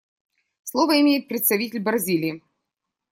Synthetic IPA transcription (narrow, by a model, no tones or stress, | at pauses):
slˠɔvəɪmʲejɪt̪̚pɾʲɪt̪st̪ɐvʲitʲɪlʲbɾɐzʲilʲɪi